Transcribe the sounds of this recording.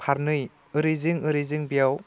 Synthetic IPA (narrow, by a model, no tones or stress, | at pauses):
pʰaɾnɯj | ɯɾizɯŋɯɾizɯŋbijaw